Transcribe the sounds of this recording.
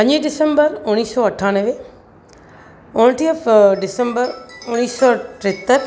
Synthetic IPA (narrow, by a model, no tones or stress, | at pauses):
pɐ̃ɲiɖɪsə̃mbəɾʊñiːsɔɐʈʰaːnəʋe | ʊnʈiəfɖɪsə̃mbəɾʊniːsɔːʈɾɪt̪ːəɾ